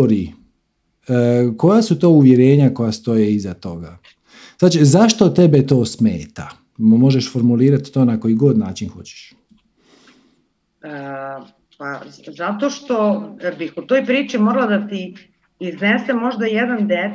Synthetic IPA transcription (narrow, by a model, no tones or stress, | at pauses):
ɾi | ko̞jasut̪o̞ːuʋjeɾe̞ːɲako̞jast̪o̞jeizat̪o̞ɡa | zaːt͡ʃizaʃt̪o̞t̪e̞be̞t̪o̞ːsmeːt̪a | mo̞ʒeʃfo̞ɾmuliːɾat̪i̥t̪o̞ːnako̞jiɡo̞d̪naːt͡ʃinxo̞̰t͡ɕe̥ʃ | ə | pazat̪o̞ʃt̪o̞bixut̪ojpɾiːt͡ʃimoɾlˠad̪at̪i | iznesemo̞ʒd̪ajed̪and̪e